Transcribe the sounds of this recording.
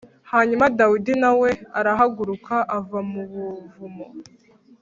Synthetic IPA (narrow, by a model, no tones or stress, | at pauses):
haːɲumadawidinawe̞aɾaɦaɡuɾukʰaʔavamuβuvumo